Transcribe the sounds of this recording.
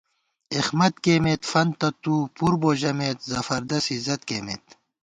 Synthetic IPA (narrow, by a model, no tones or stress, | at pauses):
ixmɐt̪̚keːmet̪fɐnt̪ɐt̪uːpuɾboːʑɐmeːt̪zɐfɐɾd̪ɐsizɐt̪̚keːmḛt̪